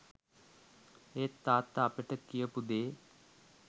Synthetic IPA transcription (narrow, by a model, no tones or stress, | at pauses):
eːt̪ːaːt̪ːaːpəʈəkijəpud̪eː